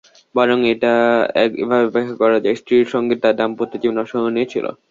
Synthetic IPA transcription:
bɔɾoŋeʈaɛ̰ḛbʱabebekʰːakɔɾad͡ʑaesʈɾiɾʃɔŋɡet̪t̪ːad̪ampot̪ːit̪ibnɔʃoɦonet͡ɕʰilo̰

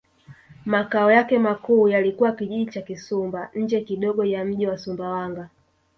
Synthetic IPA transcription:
makaɔjakɛmakuːjalikuwakiʄiʄit͡ʃakisumbaɲ̩d͡ʒɛkiɗɔɡɔjam̩ʄiwasumbawaŋɡa

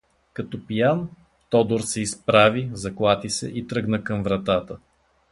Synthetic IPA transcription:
kɐt̪ɔpijan | t̪ɔd̪oɾsɛispɾavizɐklˠat̪isɛ̰ʔit̪ɾɤɡnəkɐmvɾɐt̪at̪ə

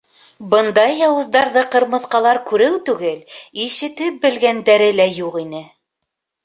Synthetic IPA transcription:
bɤnd̪ɑjːɑwɤ̆zd̪ɑɾðɤqɤ̆ɾmɤ̆θqɑlˠɑɾkʉɾɘwt̪ʉɡɘliʃɘ̆t̪ɘp̚bɘ̆lɡænd̪æɾɘlæjuqʁinɘ

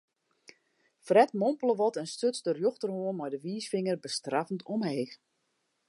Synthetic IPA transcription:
frɛtmɔmpəlˠəʋɔtɛnstøt͡sdərjoxtərhoənmɛjdəʋiːsfɪŋərbəstrafn̩tʰɔmheːx

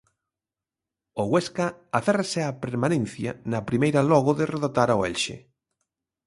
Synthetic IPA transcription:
oɣweskɐaθɛrasɪapeɾmanẽn̟θjɐ̰nɐpɾimejɾɐlɔɣʊðɪreðot̪aɾaoɛlʃɪ̰

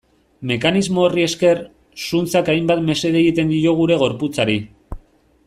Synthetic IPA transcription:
me̞kanizmo̞ːrie̞ske̞r | sunt͡sakajmbat̪me̞se̞ðeɣit̪e̞nd̪io̞ɣ̞uɾe̞ɣ̞o̞ɾput͡saɾi

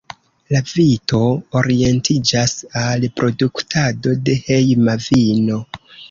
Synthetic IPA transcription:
lavito̞ːɾie̞ntʰid͡ʒasalpɾo̞duktʰado̞de̞hejmavino̞

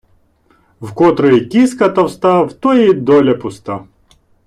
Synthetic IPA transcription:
vkɔt̪ɾɨikʲiskɐt̪ɐwst̪avt̪ɔid̪ɔlʲɐpʊst̪a

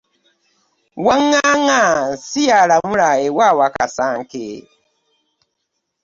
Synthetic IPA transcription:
waŋaŋasialamuɾaewawaka̰saŋkḛ

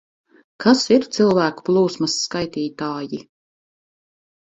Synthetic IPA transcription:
kʰasiɾt̪silˠvæːku̥plˠuːsmɐsːkajt̪iːt̪aːji

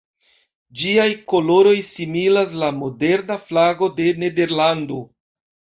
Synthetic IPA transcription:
d͡ʒiajko̞lo̞ɾo̞jsimilas̬lamo̞de̞ɾnaflaɡo̞de̞ne̞de̞ɾlando̞

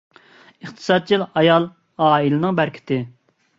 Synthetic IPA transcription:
əχt̪ʰɨ̥sɑd̪̚t͡ʃʰilɑjɑlˠ | ɑːilɨnɨŋbæɾkʲʰɪ̥t̪ʰɪ

